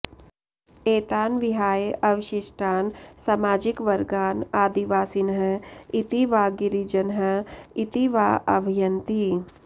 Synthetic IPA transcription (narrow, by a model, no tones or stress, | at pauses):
eːt̪aːnʋɪɦaːjʔɐʋɪʃɪʃʈaːnsamaːd͡ʒɪkʋɐɾɡaːnaːd̪iʋaːsinɦəit̪iʋaːɡiɾid͡ʒənɦəit̪iʋaːʔɐbʱijənt̪i